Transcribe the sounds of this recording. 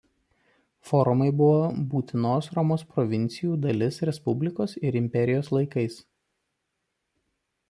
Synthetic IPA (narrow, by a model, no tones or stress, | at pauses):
fɔːɾʊmɐɪbʊʋoːbuːt̪ʲɪnoːsɾɔmoːspɾɔʋʲɪnʲt̪sʲɪjuːd̪ɐlʲɪsɾʲɛspʊbʲlʲɪkoːsɪɾɪmʲpʲɛɾʲɪjoːslˠɐɪkɐɪs